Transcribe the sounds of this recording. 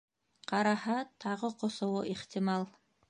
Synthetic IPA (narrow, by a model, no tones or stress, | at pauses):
qɑɾɑhɑt̪ʰɑʁɤqŏsŏwoʔiχt̪ʲimɑlˠ